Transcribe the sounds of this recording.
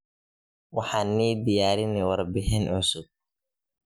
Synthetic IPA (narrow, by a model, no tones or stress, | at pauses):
waħanːiːd̪ɪjaːɾɪnɪwɐɾbɪɦɛnʕʊsʊb̚